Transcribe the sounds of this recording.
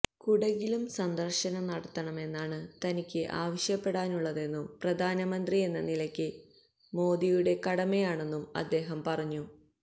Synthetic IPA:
kuɽɐɣilumsɐnd̪ɐrɕɐnɐnɐɽɐt̪ːɐɳɐme̞nːaːɳɨt̪ɐnikʲːɨʔaːʋɐɕjɐpːe̞ɽaːnuɭːɐðe̞nːumprɐd̪ʱaːnɐmɐnd̪rie̞nːɐnilɐkʲːɨ | mo̞ːd̪ijuɽe̞kɐɽɐmejaːɳe̞nːumɐ̰d̪ːe̞ːɦɐmpɐrɐɲːu

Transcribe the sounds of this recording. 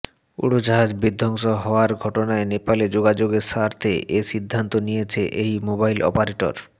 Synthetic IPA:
ṵɽod͡ʑaɦad͡ʑbid̪ʱːɔŋʃoɦɔoaɾɡʱɔʈonaenepaled͡ʑoɡad͡ʑoɡeʃaɾt̪ʰeʔeʃid̪ʱːant̪onijet͡ɕʰeʔejmobajlɔ̰paɾeʈo̰ɾ

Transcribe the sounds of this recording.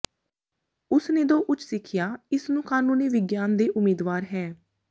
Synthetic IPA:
ʊsneːd̪oːʔʊt͡ʃʰsɪkʰɪjaːɪsnũːkaːnũːneːʋɪɡjaːnd̪eːʔʊmeːd̪ʋaːɾɦɛː

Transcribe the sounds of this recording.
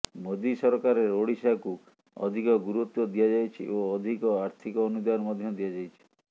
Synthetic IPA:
mod̪isɔɾɔkaɾeɾoɽisaku | ɔ̰d̪ʱikɔɡuɾut̪jɔd̪ijad͡ʒajt͡ʃʰḭʔoɔd̪ʱikɔaɾt̪ʰikɔːnud̪aɔmɔd̪ʱjɔd̪ijad͡ʒajt͡ʃʰi̥

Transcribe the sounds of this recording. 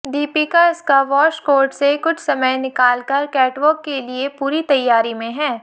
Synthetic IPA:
ɖiːpikaɪskaʋɔːʃkoːɾɖsekʊt͡ʃʰsɐməjnɪkaːlkɐɾkɛːʈʋəːkːeliepuːɾit̪ɐjːaːɾimẽɦɛː

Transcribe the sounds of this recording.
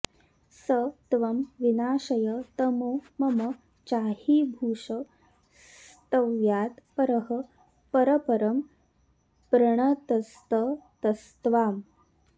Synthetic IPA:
sət̪ʋɐmʋinaːʂɐjət̪ɐmoːmɐmɐ | t͡ʃaːhiːbʱuːʂə | sst̪ɐʋjaːt̪pɐɾɐɦə | pɐɾɐpɐɾɐm | pɾɐɳ̃ɐt̪ɐst̪ət̪ɐst̪ʋaːm

